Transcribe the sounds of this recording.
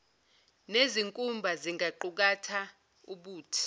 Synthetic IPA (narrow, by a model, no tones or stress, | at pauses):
neziŋkʼumbʱaziŋɡʱaǃuk̬atʰa | uɓuːtʰi̥